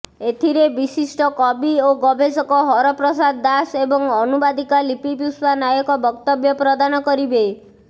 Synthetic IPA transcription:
et̪ʰiɾebisisʈɔkɔbioɡɔbed͡ʒɔkɔɦɔɾɔpɾɔsad̪ːasebɔŋɔnubad̪ikalipipuswanajɔkɔbɔkt̪ɔbjɔpɾɔd̪anɔkɔɾibe

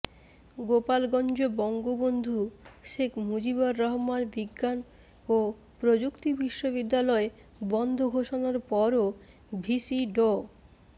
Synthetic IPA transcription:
ɡopalɡɔnd͡ʑobɔŋɡobond̪ʱuʃekʰmud͡ʑibaɾːɔɦmanbiɡːan | o | pɾod͡ʑukt̪ibiʃːoβid̪ːalɔe | bɔnd̪ʱoɡʱoʃonaɾpɔɾo | bʱisiɖo

